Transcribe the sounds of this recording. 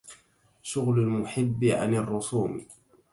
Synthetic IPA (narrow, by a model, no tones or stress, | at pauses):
ʃʊɣlʊlmʊħɪbːɪʕa̰nɑrˤːʊsˤuːm